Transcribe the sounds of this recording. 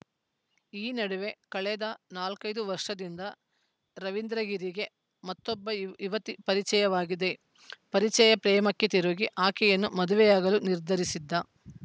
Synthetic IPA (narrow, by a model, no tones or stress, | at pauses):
iːnɐɽuʋe̞kɐɭɛd̪ɐnaːlkɐjd̪uʋɐɾʂɐd̪ind̪ɐ | ɾɐʋind̪ɾɐɡiɾiɡe̞ | mɐt̪ːɔbːɐiʋɐt̪ipɐɾit͡ʃɛjɐʋaːɡid̪e̞ | pɐɾit͡ʃɛjɐpɾɛːmɐkːet̪iɾuːɡiʔaːkɛjɐnːumɐd̪uʋɛjaːɡɐluniɾd̪ʱɐɾisid̪ːɐ